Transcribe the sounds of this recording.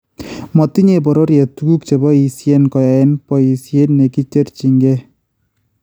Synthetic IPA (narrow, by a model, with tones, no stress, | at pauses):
mɔ˨t̪i˦ɲe˨bɔ˨ɾɔ˦ɾja˨tu˦ɡu˦kt͡ʃe˨bɔ˦i˨si˦e˦nkɔ˨ja˨ɛ˦npɔ˨i˨si˦e˦nːe˨ki˦t͡ʃe˦ɾt͡ʃi˨ŋɡe˦